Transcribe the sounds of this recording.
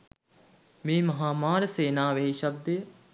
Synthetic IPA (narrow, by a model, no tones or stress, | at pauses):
meːmɐɦaːmaːɾəseːnaːʋeɦiʃɐb̚d̪əjə